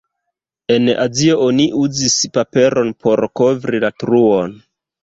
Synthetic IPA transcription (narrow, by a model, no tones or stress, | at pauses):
e̞na̰zio̞oniʔuzispape̞ɾo̞npʰo̞ɾko̞vɾilatɾuo̞n